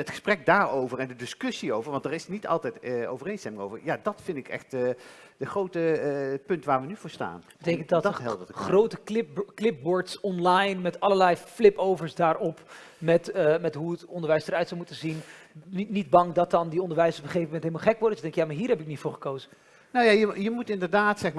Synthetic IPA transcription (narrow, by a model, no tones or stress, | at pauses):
ətχə̥sprɛk̚daːɹowvəɹɛndədɪskɵsiowvəɹʋɑndəɾɪsnitɑ̰lˠtɛjto̰wvərejnstɛmɪŋo̰wvə̰ɹjaːdɑtfɪndɪkɛ̰χtː | d̥əχrowtəpɵntʋaːɹʋənyv̥ʊːɹsta̰ːnbətejkəntdɑtɦɛlˠχrowtəklɪp̚boːɹtsɔnlajnmɛtɑlˠəɹlɛjflɪpowvəɹsdaːɹɔp | mɛtəmɛtɦuətɔndəɹʋɛjsdəɾœɥtsɔwmutənzin | nid̚bɑŋdɑt̚ɑndiɔndəɹʋɛjsɔpəχejvəmɛntɦelˠmlˠχɛk̚ʋʊːdəsdɛŋkjaːmaːɹɦiːɾɦɛpɪk̚nitfʊːɹχə̥kowzə | nowjajəjəmutɪndəɹdaːtsɛxma